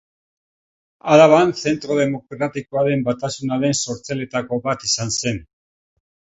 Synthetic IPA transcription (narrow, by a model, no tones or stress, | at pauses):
alaβ̞anse̞nt̪ɾo̞ð̞e̞mo̞kɾat̪iko̞aɾe̞mbat̪asunaɾe̞nso̞ɾt͡sele̞t̪ako̞βat̪isanse̞n